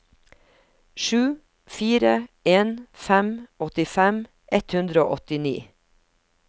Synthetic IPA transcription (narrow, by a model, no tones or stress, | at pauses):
ʃʉː | fiːɾəeːnfɛmʔɔt̪ɪfɛm | ʔɛt̪hʉnd̪ɾəo̰ːʔɔt̪ɪnḭː